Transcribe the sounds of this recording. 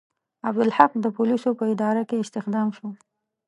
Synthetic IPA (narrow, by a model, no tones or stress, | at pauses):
ab̚d̪ʊlħaq̚d̪əpʊlisopəɪd̪ɑɾakeɪst̪ɪxd̪ɑmʃo